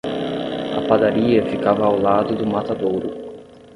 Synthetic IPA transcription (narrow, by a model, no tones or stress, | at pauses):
ɐ̰pad̪aɾiɐfikavɐːwlad̪ʊd̪ʊmat̪ad̪owɾʊ